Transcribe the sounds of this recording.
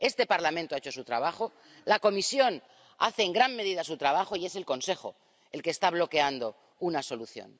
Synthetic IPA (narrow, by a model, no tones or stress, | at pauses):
e̞st̪e̞paɾlamẽnt̪oaet͡ʃo̞sut̪ɾa̰β̞axo̞ | lako̞misjo̞n | a̰θe̞ːŋɡɾanme̞ðiðasut̪ɾaβ̞axo̞ie̞se̞lko̞nse̞xo̞̰ | e̞lkest̪aβ̞lo̞ke̞and̪o̞ | unaso̞luθjo̰n